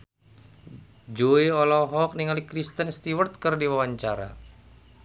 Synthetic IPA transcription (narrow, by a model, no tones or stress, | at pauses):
d͡ʒoiɔlɔɦɔk̚niŋalikɾist̪ənst̪iwərt̪̚kərdiwawaɲt͡ʃaɾa̰